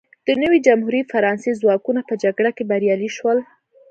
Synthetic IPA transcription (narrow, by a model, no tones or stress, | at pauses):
d̪̥ənəwid͡ʒamɦuɾifaɾɑnsezwɑkunapəd͡ʒaɡɽakebaɾjɑliʃwəl